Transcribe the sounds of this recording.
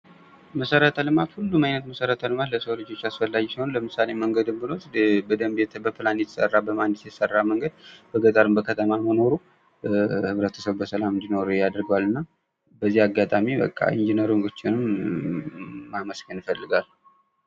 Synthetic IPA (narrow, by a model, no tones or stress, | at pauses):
məsəɾət̪ʰəlɨmat̪hulːumajnət̪məsəɾət̪ʰəlɨmat̪ləsolɨd͡ʒo̞t͡ʃːasfəlːaɡisiho̞nləmɨsaleməŋɡəd̪ɨmbɨnot̪bəd̪əmbjɛt̪ʰbəpʰɨlanjɛt̪ʰə̥sə̰rːabəmanːɨt̪jɛt̪sərːaməŋɡəd̪b̥əɡət̪ʼəɾɨmbəkʰət̪ʰəmaməno̞ɾu | hɨβɾət̪ʰə̥səβbəsəlamɨnd̪ino̞ɾjad̪əɾɡəwalɨnːa | bəzːiaɡːat̪ʼamibə̰kʼːa̰ḭnd͡ʒinəɾumɡot͡ʃːɪnɨm | aməskənɪfəlːɨɡal